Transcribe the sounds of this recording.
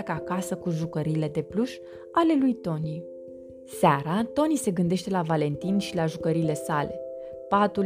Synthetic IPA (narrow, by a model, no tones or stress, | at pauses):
kəakasəkuʒukəɾile̞d̪e̞pluʃ | ale̞lujt̪o̞ni | saɾat̪o̞nise̞ɡɨnd̪e̞ʃt̪e̞lavale̞nt̪inʃilaʒukəɾile̞sale̞̰ | pat̪ul